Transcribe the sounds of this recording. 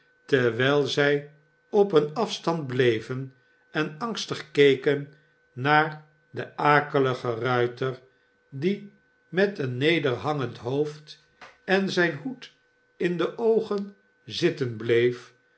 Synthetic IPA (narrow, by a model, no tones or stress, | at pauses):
tɛɹʋɛjlˠzɛj | ɔpənɑfstɑnd̚blejvən | ɛnɑŋstəχkejkənː | aːɹ | dəʔaːkələχərœɥtəɹ | di | mɛtənːejdəɹɦɑŋəntɦowft | ɛnzɛjnɦut | ɪndəʔowχən | zɪtənblejf